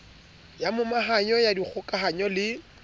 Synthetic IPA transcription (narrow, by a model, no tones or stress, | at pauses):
jamʊmaɦaɲɔjadik͡xʰʊkʼaɦaɲɔlɪ